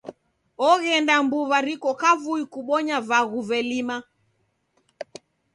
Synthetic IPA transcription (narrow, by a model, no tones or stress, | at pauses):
ɔɣɛndambuvaɾikɔkavuikuɓɔɲavaɣuvɛlima